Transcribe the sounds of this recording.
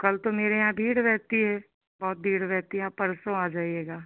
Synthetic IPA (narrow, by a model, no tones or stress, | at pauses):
kɐlt̪omeːɾejãbʱiːɽɾɛɦt̪iɦɛː | bɔːt̪̚bʱiːɽɾɛɦt̪iɦɛãpɐɾsõaːd͡ʒaːieːɡaː